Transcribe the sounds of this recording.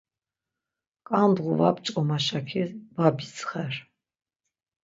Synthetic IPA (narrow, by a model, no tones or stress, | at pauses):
kʼand̪ʁuvapt͡ʃʼɔmaʃakʰivabisχɛr